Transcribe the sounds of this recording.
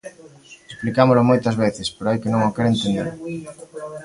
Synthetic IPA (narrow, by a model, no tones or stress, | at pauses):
esplikamolomojt̪ɐzβeθɪspeɾoajkenõŋokɛɾent̪end̪ḛɾ